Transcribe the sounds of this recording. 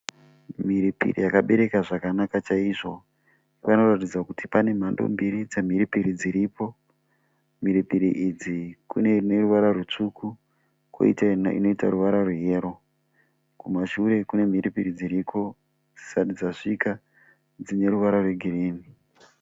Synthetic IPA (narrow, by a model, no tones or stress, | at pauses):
miɾipḭrḭjakaɓe̞ɾe̞kaʐakanakat͡ʃaiʐo̞ | iʋano̞ratid͡zakuti̥pane̞m̤ando̞̰mbiɾid͡zem̤iɾipiɾid͡ziɾipo̞ | m̤iɾipiɾiʔid͡zikunene̞ruʋaɾarut͡ʂuku | ko̰ḭtaḭno̞itaɾuʋaɾaruɦe̞ːɾo̞ | kumaʃuɾe̞kune̞m̤iɾipiɾid͡ziɾikʰo̞ | d͡zi̥saɗid͡zaʂika | d͡zine̞ɾuʋaɾarwe̞ɡʱiriːni